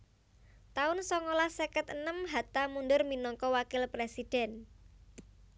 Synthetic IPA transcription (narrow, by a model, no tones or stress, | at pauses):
t̪aʊnsɔŋolahsekət̪ənəmɦat̪amundʊrminɔŋkɔwakɪlpɾesid̥ɛ̤n